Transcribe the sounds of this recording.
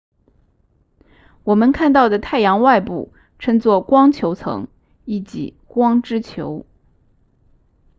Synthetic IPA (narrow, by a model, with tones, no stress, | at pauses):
wɔ˨˩mə˧˦nkʰa˥˧nt̪ɑ˥˩ʊd̪ə˩t̪ʰa˥˩ɪjɑ˧˥ŋwa˥˧ɪpṵ˥˩ | ʈ͡ʂʰɤ˥ŋt͡swɔ˥˩kwɑ˥ŋt͡ɕʰjo˧˥ʊt͡sʰɤ̰˧˥ŋ | i˥˩t͡ɕḭ˧˥ | kwɑ˥ŋʈ͡ʂɻ̩˥t͡ɕʰjo˧˥ʊ